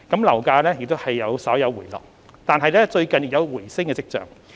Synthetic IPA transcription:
kɐ˨˥mlɐ˨˩wkaː˧lɛː˥jɪ˨k̚t̪o˥whɐ˨jːɐ˨˧wsɐː˨˥wjɐ˨˧wwuː˨˩jlɔ̰ː˨k̚ | t̪aː˨˧nɦɐ˨jlɛː˥t͡ʃɵ˧ɥkɐ˨nji˨˩k̚jɐ˨˧wwuː˨˩jsɪ˥ŋkɛː˧t͡sɪ˥k̚t͡sœ̰ː˨˩ŋ

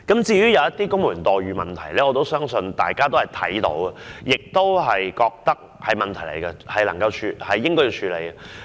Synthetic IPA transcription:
kɐ˨˥mt͡siː˧ɥyː˥jɐ˨˧wjɐ˥t̪ːiː˥kʊ˥ŋmuː˨˩nt̪ɔː˨jɥyː˨mɐ˨˩nt̪ʰɐ˨˩jlɛː˦˥ɔː˨˧t̪o˥wsœː˥ŋsɵ˧nt̪a̰ː˨jkaː˥t̪o˥hɐ˨jt̪ʰɐ̰˨˥jt̪o̰˨˥wɐ˨jɪ˨k̚t̪o˥wɦɐ˨jkɔː˧k̚t̪ɐ˥k̚hɐ˨jmɐ˨nt̪ʰɐ˨˩jle˨˩jkɐ˧hɐ˨jlɐ˨˩ŋkɐ˧wt͡ʃʰyː˧hɐ˨jːɪ˥ŋkɔː˥jiː˨˧t͡ʃʰyː˨˧le˨˧jɐ˧

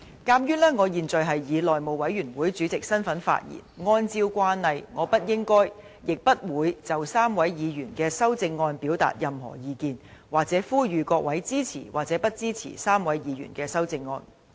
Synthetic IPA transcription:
kaː˥mjyː˥nlɛː˥ŋɔː˨˧jiː˨˩nt͡sɵ˨jɦɐ˨jjiː˨˧lɔː˨jmo˨˩wɐ˨˥jɥyː˨˩nwuː˨˥jt͡syː˨˥t͡sɪ˨k̚sɐ˥nfɐ˨˥nfa̰ː˧t̚jḭː˨˩nŋɔː˥nt͡siː˥wkʷaː˥nhɐ˨jŋɔː˨˧pɐ˥t̚jɪ˥ŋkɔː˥j | jɪ˨k̚pɐ˥t̚wuː˨˥jt͡sɐ˨wsaː˥mwɐ˨˥jjiː˨˧jyː˨˩nkɛː˧sɐ˥wt͡sɪ˧ŋːɔː˧npiː˨˥wt̪a̰ː˨t̚jɐ˨mɦɔ̰ː˨˩jiː˨˧kiː˨nwaː˨k̚t͡sɛː˨˥fuː˥jyː˨˧kɔː˧k̚wʔɐ˨˥jt͡siː˥t͡sʰḭː˨˩waː˨k̚t͡sɛ˨˥pɐ˥t̚t͡siː˥t͡sʰḭː˨˩saː˥mwɐ˨˥jjiː˨˧jy̰˨˩nkɛː˧sɐ˥wt͡sɪ˧ŋːɔ̰ː˧n

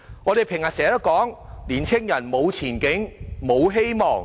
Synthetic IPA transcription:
ŋɔː˨˧ɾe˨jpʰɪ˨˩ŋhɐ˨˩sɛː˨˥t̪ɐ˥kɔː˨˥ŋliː˨˩nt͡sʰɪ˥ŋjɐ˨˩nmo˨˧wt͡sʰiː˨˩nkɪ˨˥ŋmo˨˧wɦe˥jmɔː˨˩ŋ

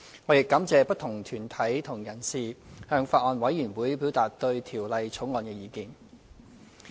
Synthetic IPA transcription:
ŋɔː˨˧jɪ˨kːɐ˨˥mt͡sɛː˨˧pɐ˥t̚t̪ʰʊ˨˩ŋt̪ʰyː˨˩nt̪ʰɐ˨˥jt̪ʰʊ˨˩ŋjɐ˨˩nsiː˨˩hœː˧ŋfaː˧t̚ʔɔː˧nwɐ˨˥jyː˨˩nwuː˨˥jpiː˨˥wt̪aː˨t̚t̪ɵ˧ɥt̪ʰiː˨˩wlɐ˨jt͡sʰo˨˥wŋɔː˨˧nkɛː˧jiː˨˧kiː˧n

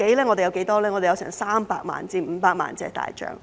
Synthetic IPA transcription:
ke˨˥jlɛː˥ŋɔ˨˧t̪e˨jɐ˧wke˨˥jt̪ɔː˥lɛː˥ŋɔː˨˧e˨jɐ˧wsɛː˨˩ŋsaː˥mpaː˧k̚ma̰ː˨˩nt͡siː˧˩m̩˨˧paː˧k̚ma̰ː˨nt͡sɛ̰ː˧t̪a̰ː˨jt͡ʃœ̰ː˨ŋ

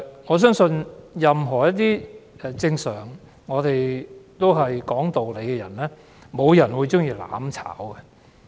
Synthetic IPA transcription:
ŋɔː˨˧s̬œː˥ŋsɵ˧njɐ˨mɦɔː˨˩jɐ˥t̚t̪iː˥ɛ˧t͡sɪ˧ŋsœː˨˩ŋː | ɔː˨˧t̪e˨jt̪o˥wɦɐ˨jkɔː˨˥ŋt̪o˨wle˨˧jkɛ˧jɐ̰˨˩nlɛː˥ | mo˨˧wjɐ˨˩nwuː˨˧jt͡sʊ˥ŋjiː˧la̰ː˨˧˥mt͡sʰa̰ː˨˥wɡɛ˧

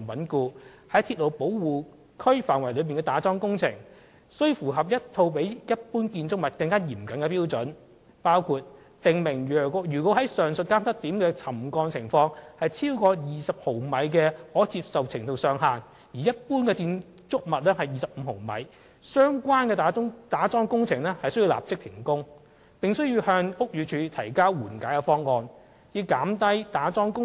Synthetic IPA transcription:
wɐ˨˥nkuː˧ | hɐ˨˥jt̪ʰiː˧t̚lo˨wpo˨˥wwuː˨˩ | kʰɵ˥ɥfaː˨˩nwɐ˨˩jlɵ˨˧ɥ̬piː˨nŋkɛː˧t̪aː˨˥t͡sɔː˥ŋkʊ˥ŋt͡sʰɪ̰˨˩ŋ | sɵ˥ɥfuː˨˩ɦɐ˨p̬̚jɐ˥t̚t̪ʰo˧wpe˨˥jjɐ˥t̚puː˥nkiː˧nt͡sʊ˥k̚mɐ˨t̚kɐ˧ŋkaː˥jiː˨˩mkɐ˨˥nkɛ˧piː˥wt͡sɵ˨˥n | paː˥wkʰuː˧t̚ | t̪ɪ˨ŋmɪ˨˩ŋː˨jyː˨˩kwɔː˨˥ɦɐ˨˥jsœː˨˩ŋsɵ˧t̚kaː˥mt̪ɐ˥k̚t̪iː˨˥mkɛː˧t͡sʰɐ˨˩mkɔː˧ŋt͡sʰɪ˨˩ŋfɔː˧ŋhɐ˨jt͡sʰiː˥wkɔː˧jiː˨sɐ˨p̚ho˨˩wmɐ˨˧jkɛː˧hɔː˨˥t͡siː˧p̚sɐ˨wt͡sʰɪ˨˩ŋt̪o˨wsœː˧ŋɦaː˨n | jiː˨˩jɐ˥t̚puː˥nkɛː˧t͡siː˧n | t͡sʊ˥k̚mɐ˨t̚lɛː˥hɐ˨jiː˨sɐ˨p̚m̩ː˨˧ɦo˨˩wmɐ̰˨˧j | sœː˥ŋkʷwaː˥nkɛː˧t̪aː˨˥ʊ˥ŋt̪aː˨˥t͡sɔː˥ŋkʊ˥ŋt͡sʰɪ˨˩ŋlɛ˥hɐ˨jsɵ˥ji˧la̰ː˨˩p̚t͡sɪ˥k̚t̪ʰɪ˨˩ŋkʊ˥ŋ | pɪ˨ŋsɵ˥ɥjiː˧whœː˧ŋʊ˥k̚jyː˨˧t͡ʃʰyː˨˧˥t̪ʰɐ˨˩jkaː˥wwuː˨˩nkaː˨˥jkɛ˧fɔː˥ŋːɔː˧n | jiː˨˧wkaː˨˥mt̪ɐ˥jt̪aː˨˥t͡sɔː˥ŋkʊ˥

